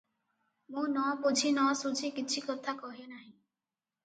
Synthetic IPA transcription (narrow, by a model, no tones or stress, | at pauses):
mũnɔpud͡ʒʱinɔsud͡ʒʱikit͡ʃʰikɔt̪ʰakɔɦinaɦĩ